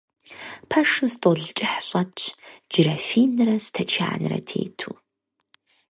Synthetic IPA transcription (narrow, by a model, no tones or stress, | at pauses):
pʰɐʂɨmstʼoɮt͡ʃʼɪħɕʼɐtd͡ʒrɐfiːnrɐstʰɐt͡ʃʰa̰ːnɨrɐ̰tʰḛːtʰuː